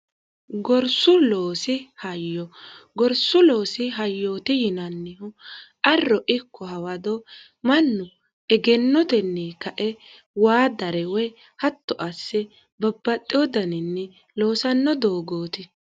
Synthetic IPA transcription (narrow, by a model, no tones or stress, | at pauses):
ɡɔɾsʊlo̞ːsɪhɐjːɔɡɔɾsʊloːsɪɦɐjːoːt̪ɪjɪnɐnːɪhʊʔɐrːɔʔɪkʰːɔɦɐwɐd̪ɔ | mɐnːʊ | ʔɛɡɛnːɔt̪ɛnːiːkɐʔɛ | waːd̪ɐɾɛwɛ | hɐt̪ːɔʔɐsːɛ | bɐbːɐt̪ʼːɪɔd̪ɐnɪnːɛ | lo̞ːsɐnːɔd̪oːɡoːt̪ɪ